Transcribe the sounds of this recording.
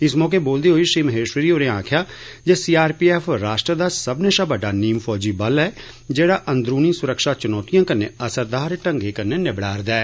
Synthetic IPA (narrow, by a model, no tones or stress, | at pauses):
ɪsmɔːk̬eːboːld̪eːɦoːiːʃɾiːməɦeːʃwəɾiːoːɾeãːkʰjaː | d͡ʒeːsiːaːɾpiːɛːpʰɾaːʃʈɾəd̪aːsəbneːʃaːbəɖaːniːmpʰɔːd͡ʒiːbəlɛː | d͡ʒeːɽaːʔənd̪ɾuːniːsʊɾəkʃaːt͡ʃʊnɔːt̪ɪjãːkənːeːəsəɾd̪aːɾʈəŋɡeːkənːeːnɪbɽaːɾd̪ɛː